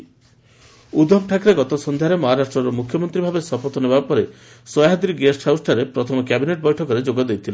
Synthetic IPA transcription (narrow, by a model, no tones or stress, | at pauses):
ud̪ɔbʈʰakɾeɡɔt̪ɔsɔnd̪ʱjaɾemɔɦaɾasʈɾɔɾɔmukʰjɔmɔnt̪ɾibʱabesɔpɔt̪ɔnebapɔɾe | sɔjaɦad̪iɾiɡesʈhawsʈaɾepɾɔt̪ʰɔmɔkjabineʈ̚bɔjʈʰɔkɔɾed͡ʒoɡɔd̪ejt̪ʰile